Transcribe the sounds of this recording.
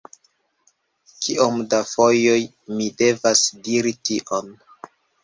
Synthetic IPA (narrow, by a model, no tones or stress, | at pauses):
kʰiʔomdafo̞joj | mide̞vasdiɾitiʔon